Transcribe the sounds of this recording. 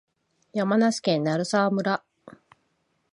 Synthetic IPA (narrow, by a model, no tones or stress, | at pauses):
jamanaɕi̥kẽ̞nːaɾɯ̟saβːmɯ̟ɾa